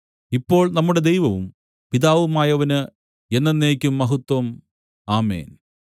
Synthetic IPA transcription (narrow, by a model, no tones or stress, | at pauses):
ipːo̞ːɭnɐmːuɽe̞d̪ejʋɐʋum | piðaːʋumaːjɐʋɐnɨ | e̞nːenːeːkʲːumːɐɦut̪wɐm | aːmḛːn